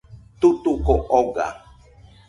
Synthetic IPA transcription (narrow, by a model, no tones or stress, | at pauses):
t̪ut̪ukoʔoɡa̰